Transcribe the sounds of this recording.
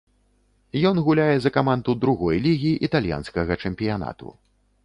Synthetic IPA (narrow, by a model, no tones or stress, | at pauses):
jɔnɣulʲajɛzɐkamand̪ud̪ɾuɣɔjlʲiɣʲiːʔit̪alʲja̰nskɐɣɐt͡ʂɛmʲpʲijana̰t̪ṵ